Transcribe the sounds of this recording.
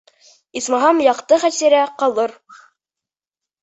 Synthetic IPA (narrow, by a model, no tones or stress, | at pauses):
ismɑɦɑmjɑqt̪ɤχæsæɾæqɑlˠɤɾ